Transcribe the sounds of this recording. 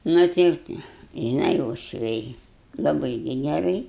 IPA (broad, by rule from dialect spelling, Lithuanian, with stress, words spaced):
ˈnʊ tɐɪ ʒʲɪˈnɐɪ uɔʃʲˈʋʲɛɪ lˠɐˈbɨɪ ɡʲɪ ɡʲɛˈrɐɪ